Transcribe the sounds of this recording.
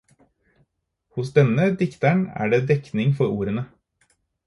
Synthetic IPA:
hʊsd̪ɛnəd̪ɪkt̪æɳæ̰ːɖeːd̪ɛknɪŋfɔɾuːɾənə

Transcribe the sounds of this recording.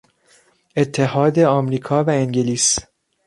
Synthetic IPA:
e̞t̪ʰːe̞ɦɒːd̪e̞ɒːmɾiːkʰɒːvæeŋɟeliːs

